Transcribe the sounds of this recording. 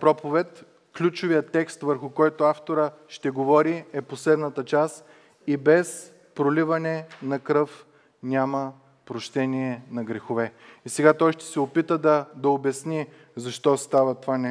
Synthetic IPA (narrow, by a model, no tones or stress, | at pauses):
pɾɔpovɛt̪ | klʲut͡ʃʊvijət̪ːɛkst̪vəɾxʊkɔjt̪ʊaft̪oɾəʃt̪ɛɡovɔɾiɛposlɛd̪nɐt̪ət͡ʃas | ibɛs | pɾolivɐnɛnɐkɾɤf | nʲamə | pɾoʃt̪ɛniɛnɐɡɾɛxovɛisɛɡat̪ɔjʃt̪ɛ̥sɛopit̪əd̪ɐd̪ɐobɛsni | zɐʃt̪ɔst̪avɐt̪ovanɛ